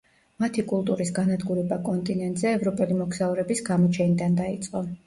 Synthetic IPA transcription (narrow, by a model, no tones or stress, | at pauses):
mat̪ʰikʼulˠt̪ʼuɾisɡanad̪ɡuɾɛbakʼɔnt̪ʼinɛnt̪ʼzɛːvɾɔpʼɛlimɔksauɾɛbisɡamɔt͡ʃʰɛnid̪and̪ait̪sʼqʼɔ